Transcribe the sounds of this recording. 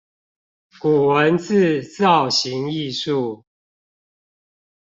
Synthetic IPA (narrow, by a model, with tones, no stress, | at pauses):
ku˨˩wə˨˦nt͡sʰɹ̩˥˨t͡sɑ˥˨˩ʊɕi˨˦ŋi˥˧ʂu˥˨